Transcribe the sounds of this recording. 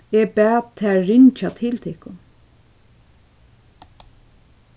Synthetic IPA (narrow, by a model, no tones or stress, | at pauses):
ɛbɛːt̪ʰːɛːɪɲt͡ʃat̪ʰɪlt̪ʰɪhkʊn